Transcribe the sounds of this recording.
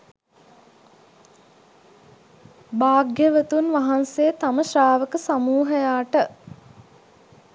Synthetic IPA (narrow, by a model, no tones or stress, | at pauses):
baːɡjəʋət̪unʋaɦansejt̪aməʃaːʋəkəsamuːɦəjaːʈə